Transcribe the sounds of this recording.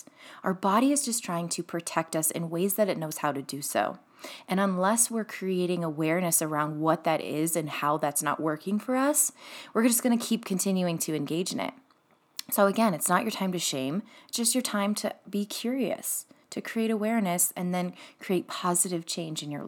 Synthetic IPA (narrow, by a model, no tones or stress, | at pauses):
ʔaʊə˞bɑɾiɨzd͡ʒʌstʰɹ̥aɪɪ̃ŋtʰɨpʰɹ̥ɨtʰɛk̚tʌsɨ̰̃nweɪzðɨɾɨtⁿnoʊz̥haʊɾɨdɨso̰ʊ | ɨ̃ñə̃nlɛswɪɹkʰɹ̥ieɪɾɪ̃ŋəwɛɹnɨsə˞ãʊ̃nd̚wʌt̪̚ðɨɾʔɪ̰zɨ̃nhaʊðætsnə̰ʔwɜ˞kɪ̃ŋfə˞ʌswɨɹd͡ʒʌsɡ̥ʌnɨkʰip̚kʰɨ̃ntʰɪ̃njʉɪ̃ŋtʰɨɨ̃nɡeɪd͡ʒɨ̃nɪ̰t̚ | soʊɨɡɛ̃nɨtsnət͡ʃə˞tʰãɪ̃mtɨʃẽɪ̃md̥ʒ̥ʌst͡ʃə˞tʰãɪ̃mtʰɨbikʰj̥ʊɹiɨ̰stʰɨkʰɹ̥ieɪɾəwɛɹnɨsɨ̃nðɨ̃nkʰɹ̥ieɪt̚pʰɑzɨɾɨv̥t͡ʃʰẽɪ̃nd͡ʒɨ̃njə̰˞